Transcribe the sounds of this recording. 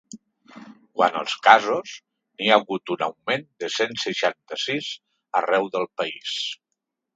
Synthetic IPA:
kwanə̰lˠskazos | niaɣut̪unəwmend̪əsensəʃant̪əsiz | ərɛwðəlˠpəis

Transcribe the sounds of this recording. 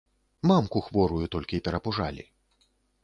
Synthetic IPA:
mamkuxvɔɾujut̪ɔlʲkʲiːpʲɛɾɐpuʐalʲḭ

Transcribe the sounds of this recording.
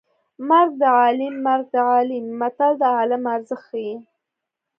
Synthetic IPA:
maɾɡ̚d̪əʕɑlimːaɾɡ̚d̪əʕɑlimːat̪ald̪əɑlamaɾzəxaji

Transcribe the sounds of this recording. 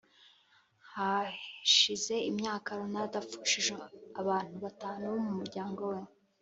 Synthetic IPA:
haʃize̞imɲaːkaɾonadafu̥ʃiʒeaβaːn̥huβataːnuβomumuɾɟaːŋɡo̞we

